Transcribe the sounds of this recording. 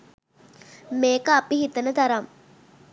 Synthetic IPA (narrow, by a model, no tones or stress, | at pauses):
meːkəapiɦit̪ənət̪ɐɾam